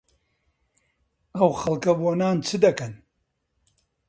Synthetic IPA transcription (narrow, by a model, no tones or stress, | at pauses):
ɐwxɐlˠkɐboːnaːnt͡sʰɨd̪ɐkɐn